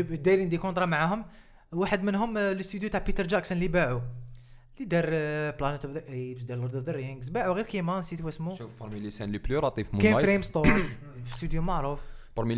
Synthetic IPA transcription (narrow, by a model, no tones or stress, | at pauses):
d̪æjlind̪ikõnt̪ɾˤɑmaʕahʊm | waħəd̪mənɦʊmləst̪yd̪jut̪aʕpit̪əɾd͡ʒæksənlibaʕu | lid̪ɑɾˤplænət̪ufðəʔebsd̪ɑɾləɾd̪ud̪əɾɪŋɡzbaʕuɣiɾkimɑnsit̪wæsmuʃufbɑɾˤmilisænliplyɾˤɑt̪ˤifmkæfɾemst̪o | əst̪yd̪jumaʕɾˤufbɑɾˤmi